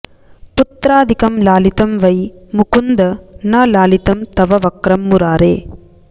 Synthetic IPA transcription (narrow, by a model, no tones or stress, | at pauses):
pʊt̪ɾaːd̪ɪkɐmlaːlɪt̪ɐmʋɐjmukund̪ɐnaːlaːlɪt̪ɐmt̪ɐʋɐʋɐkɾɐmːuɾaːɾeː